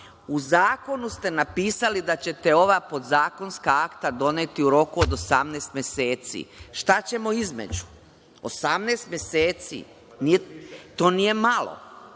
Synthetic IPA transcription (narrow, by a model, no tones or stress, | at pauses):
uzaːko̞nust̪e̞napiːsalid̪at͡ɕe̞t̪e̞o̞ʋapo̞d̪zaːko̞nskaakt̪ad̪o̞net̪iuɾo̞kuod̪o̞samneːst̪mje̞se̞ːt̪sḭʃt̪at͡ɕe̞mo̞izmḛd͡ʑu̥ | o̰samneːst̪mjeseːt̪sḭ | nit̪o̞ːnije̞malˠo̰